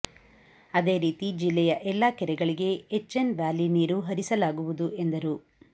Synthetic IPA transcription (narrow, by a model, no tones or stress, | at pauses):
ɐd̪e̞ːɾiːt̪id͡ʒilːɛjɐʔɛlːaːkɛɾɛɡɐɭiɡe̞ːt͡ʃːenʋaːliniːɾuɦɐɾisɐlaːɡuʋud̪uʔe̞nd̪ɐɾu